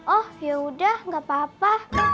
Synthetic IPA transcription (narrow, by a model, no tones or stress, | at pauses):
ʔɔhjəudahŋɡapapa